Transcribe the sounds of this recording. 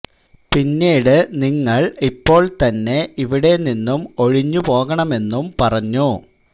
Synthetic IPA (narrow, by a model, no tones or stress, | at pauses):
pinːeːɽɨniŋːɐɭipːo̞ːɭt̪ɐnːe̞iʋiɽe̞ninːumo̞ɻiɲːupo̞ːɣɐɳɐme̞nːumpɐrɐɲːu